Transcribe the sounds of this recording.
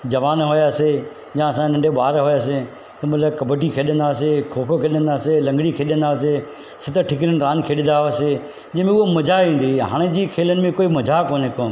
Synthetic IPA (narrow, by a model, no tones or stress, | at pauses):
d͡ʑɐʋaːnɦojaːse | d͡ʑãːɐsãnɐ̃ɳɖʱeɓaːɾɦojaːs̬e | t̪ɐmɐt̪ʰləbkɐbəʈikʰeːɗə̃nd̪aːs̬ekʰoːkʰokʰeːɗə̃nd̪aːselɐ̃ŋɡɽikʰeːɗə̃nd̪aːse | sɪt̪ʰə̆ʈʰɪk̬ɪɾən̆ɾãːnkʰeːɗɪ̃nd̪aɦose | d͡ʑɐ̃ɦmẽʊɦomɐd͡ʑʱaĩːn̆d̪iɦa̰ːɽ̃ed͡ʑiːkʰeːlənɪ̆mẽkoːimɐd͡ʑʱakoːnekoːn